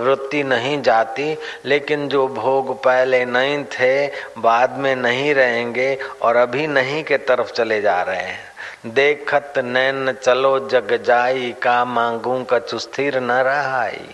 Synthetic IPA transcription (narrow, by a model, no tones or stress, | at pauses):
ʋɾɪt̪ːinəɦĩd͡ʒaːt̪ileːkɪnd͡ʒoːbʱoːɡpɛɦlenəɦĩt̪ʰebaːd̪mẽnəɦĩɾəɦẽːŋɡeɔːɾɐbʱinəɦĩket̪əɾəpʰt͡ʃɐled͡ʒaːɾəɦḛɦɛ̃ | d̪eːkʰət̪nɛːnət͡ʃəlod͡ʒəɡd͡ʒaːikamãːŋɡõkat͡ʃʊst̪ʰiɾnɐɾəɦaːḭ